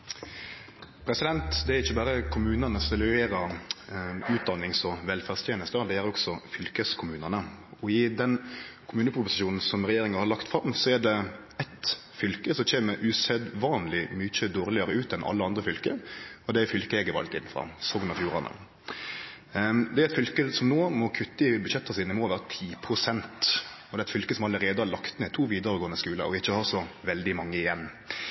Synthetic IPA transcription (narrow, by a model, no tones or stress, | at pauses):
pʰɾɛsɪd̪ɛnt̪d̪ɛæɾɪçːəbæːɾəkʰʊmʉːnɑnəsɛlʉeːɾɑɾ | ʉːt̪̚d̪ɑnːɪŋsɔʋɛlfæst̪ʰjeːnəst̪əɔd̪ɛjæɾɾɔɡsɔfʏlkəskʰʊmʉːnənəɔɪd̪ɛnkʰʊmʉːnəpʰɾʊpʊsɪ̥uːnn̩sɔmɾɛjeːɾɪŋɑhɑɾlɑkt̪fɾɑmsɔæɖɛ | ɛt̪ | fʏlkəsɔc͡çeːməɾʔʉsɛd̪ʋɑːnlɪmʏçəd̪oːɾlɪəɾəʉːt̪ɛnʔɑ̰lːəɑnd̪ɾəfʏlkəɔd̪ɛæfʏlkəɛɡəʋɑ̰lt̪ɪ̰nːfʁɑ̰sɔɡnɑfjuːɾɑnə̰ | d̪ɛæɾɛt̪fʏlkəsɔmnoːmɔkʰʉt̪ːəɪbʉd̪ʃɛt̪ːəsiːnəmɔːʋæːɾət̪ʰiːpʰɾʊsɛnt̪ɔd̪ɛæɪt̪fʏlkəsɔmɑlːəɾeːd̪əhɑɾɭlɑkt̪meːt̪ʰuːʋiːd̪əɾəɡoːənəskʉːlə̰ʔɔɪçːəhɑːɾsɔʋɛld̪ɪmɑŋːəɪjɛnː